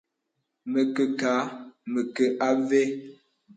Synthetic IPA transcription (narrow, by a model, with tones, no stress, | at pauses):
mə˨kə˨kaː˨˦mə˨kə˨ʔa˦ve˦